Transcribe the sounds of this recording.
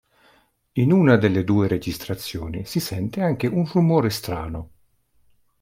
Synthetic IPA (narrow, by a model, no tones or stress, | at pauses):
inuːnad̪elːed̪uːeɾed͡ʒist̪ɾat̪sːjɔːnisisɛnt̪eaŋkeʔunrumoːɾest̪ɾaːno